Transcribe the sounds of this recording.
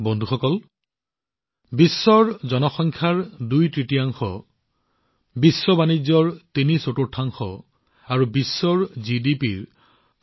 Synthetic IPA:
bɔnd̪ʱuxɔkɔl | bisːɔɹzɔnɔxɔŋkʰaɹdujtɹitiaŋxɔ̰ | bisːɔbanid͡ʒːɔɹtinisototʰːaŋxɔ̰ | aɹubisːɔɹzidipiɹ

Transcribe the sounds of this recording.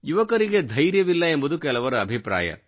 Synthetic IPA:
juʋɐkɐɾiɡed̪ʱɐjɾjɐʋilːɐembud̪ukɛlɐʋɐɾɐɐbʱipɾa̰ːjɐ̰

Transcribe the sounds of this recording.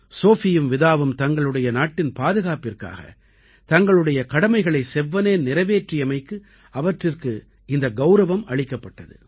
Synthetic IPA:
soːfɪjɯmʋɪðaːʋɯmt̪ɐŋɡɐɭɯɽɐjɐnaːʈːɪnpaːðɯɣaːpɪrka̰ːɣɐ̰ | t̪ɐŋɡɐɭɯɽɐjɐkɐɽɐmɐɪɣɐɭɐɪsɛʋːɐneːnɪɾɐʋeːʈrɪjɐmɐɪkːɯ | ɐʋɐʈrɪrkɯ | ɪnd̪ɐɡɐʊɾɐʋɐmɐɭɪkːɐpːɐʈːɐðɯ̰

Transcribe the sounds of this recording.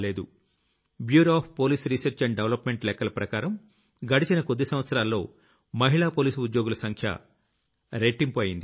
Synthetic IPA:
le̞ːd̪u | bjuːɾaːpʰpoːliːsɾisɐɾt͡ʃɐɳɖeʋlɐpmeɳʈlɛkːɐlɐpɾɐkaːɾɐm | ɡɐɽit͡ʃinɐkod̪ːisɐmʋɐt̪sɐɾaːlːo̞ː | mɐɦiɭaːpoːliːsud̪joːɡulɐsɐŋkʰjɐ̰ | ɾeːʈiŋpoːjind̪i

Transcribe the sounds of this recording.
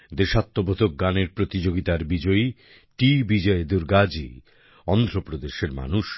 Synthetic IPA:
d̪eʃat̪ːobod̪ʱok̚ɡaneɾpɾot̪id͡ʑoɡit̪aɾbid͡ʑɔi | ʈibid͡ʑɔed̪uɾɡad͡ʑḭ | ɔnd̪ʱɾopɾod̪eʃeɾma̰nuʃ

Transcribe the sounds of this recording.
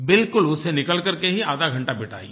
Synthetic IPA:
bɪlkʊlʊsenɪkəlkɐɾkeɦiaːd̪aɡʱɐ̃ɳʈabɪʈʰa̰ːḭː

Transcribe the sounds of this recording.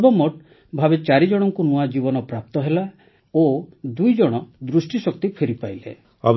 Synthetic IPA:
bɔmɔʈ | bʱabet͡ʃaɾid͡ʒɔɽ̃ɔŋkunuad͡ʒibɔnɔpɾap̚t̪ɔɦela | od̪ujd͡ʒɔɽ̃ɔd̪ɾusʈisɔk̚t̪ipʰeɾipajlḛ | a̰b

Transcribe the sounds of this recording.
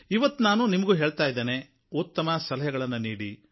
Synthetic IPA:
iʋɐt̪ːunaːnunimɐɡuːɦe̞ːɭt̪aːjd̪eːne | ut̪ːɐmɐsɐlɐɦɐɡɐɭɐnːuniːɽḭ

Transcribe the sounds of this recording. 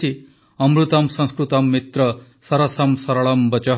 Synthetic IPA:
i | ɐmɾut̪ɐmsɐ̃ñskɾut̪ɐmːit̪ɾɐ | sɐɾɐsɐmsɐɾɐɭɐmbɐt͡ʃɐ

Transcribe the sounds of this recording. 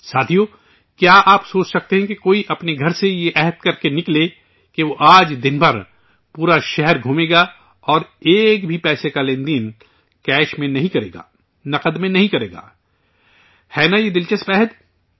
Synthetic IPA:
saːt̪ʰijoː | kjaːʔaːpsoːt͡ʃsɐk̚t̪eɦɛ̃kekoːiʔɐpneɡʱɐɾsejeʔɛɦət̪̚kɐɾkenɪkle | keʋoʔaːd͡ʒd̪ɪnbʱɐɾ | puːɾaʃɛɦɛɾɡʱuːmeːɡa | ɔːɾeːkbʱipɛːsekalẽːnd̪iːn | kɛːʃmẽnɐɦĩkɐɾḛːɡa̰ː | nɐqəd̪mẽnɐɦĩkɐɾeːɡa̰ː | hɛːnajed̪ɪlt͡ʃəspɛːɦəd̪

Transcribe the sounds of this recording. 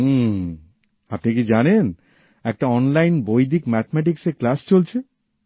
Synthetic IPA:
apnikid͡ʑanen | ɛk̚ʈaɔnlajnbojd̪ʱikmɛt̪ʰemɛʈikseklast͡ɕolt͡ɕʰe

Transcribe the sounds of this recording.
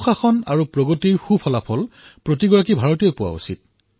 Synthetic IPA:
xaxɔnaɹupɹoɡotiɹxupʰɔlapʰɔlpɹotiɡɔɹak̬ibʱaɹɔtiɔjpʊwa̰ṵsit̚

